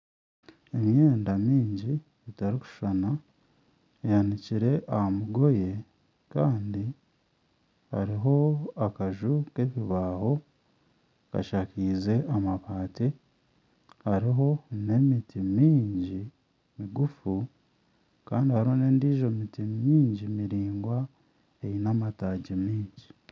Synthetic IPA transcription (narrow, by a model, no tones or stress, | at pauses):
e̞mje̞ːndamiːɲɟi | etaɾiku̥ʃana | ejaniciɾe̞ʔahamuɡo̞je̞ | kaːndi | ha̰ɾiɦo̞akaʒuke̞βiβaːho̞ | ka̰ʃakiːze̞ʔamaβaːte | haɾiɦo̞ne̞mitimiːɲɟi | miɡufu | kaːndihaɾihone̞ːndiːʒo̞mitimiːɲɟimiɾiːŋɡwa | ejinamataːɟimiːɲɟi